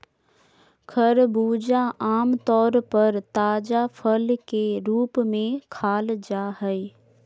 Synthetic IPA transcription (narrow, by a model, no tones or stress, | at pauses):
kʰɐɾbuːd͡ʒaʔaːmt̪ɔːɾpɐɾt̪aːd͡ʒapʰəlkeɾuːpmẽkʰaːld͡ʒaːɦəe